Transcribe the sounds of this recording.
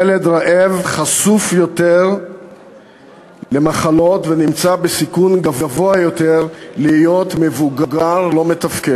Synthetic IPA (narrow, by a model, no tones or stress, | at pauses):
eled̪ʁaʔevχasufjo̞t̪eʁ | le̞maχalo̞t̪ve̞nimt͡sabesikunɡavvo̞ajo̞t̪e̞ʁliijo̞t̪me̞vuɡaɡaʁlo̞me̞t̪afked